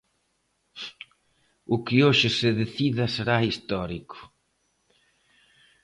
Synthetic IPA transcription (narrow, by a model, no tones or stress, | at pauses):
ʊkɪoʃɪsɪðeθiðɐseɾaist̪ɔɾikʊ̥